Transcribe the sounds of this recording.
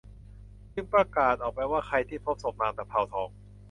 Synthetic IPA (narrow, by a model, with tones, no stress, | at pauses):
kʰɯ˧˩pɾa˧kaː˨˩t̪̚ʔɔː˨˩k̚pa˧jwaː˥˩kʰa˧jt̪ʰiː˥˩pʰo˦˥p̚so˨˩p̚naː˧˩t̪ɛː˨˩pʰa˧˩wt̪ʰɔː˧˩ŋ̚